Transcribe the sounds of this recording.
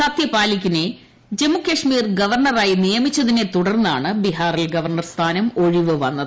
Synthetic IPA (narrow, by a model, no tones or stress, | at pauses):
sɐt̪jɐpaːlikʲːine̞ | d͡ʑe̞mukːɐʂmiːrɡɐʋɐrɳɐraːjinijɐmit͡ɕːɐðine̞t̪uɽɐrnːaːɳɨbiɦaːrilɡɐʋɐrɳɐrst̪ʰaːnɐmo̞ɻiʋɨʋɐnːɐðɨ